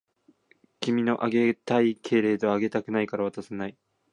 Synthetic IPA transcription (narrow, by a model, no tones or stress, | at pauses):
kʲimʲino̞ʔaɡe̞t̪aikʰe̞ːɾe̞ːd̪e̞βaːɡe̞t̪akɯ̟naikaɾaβ̞at̪asenai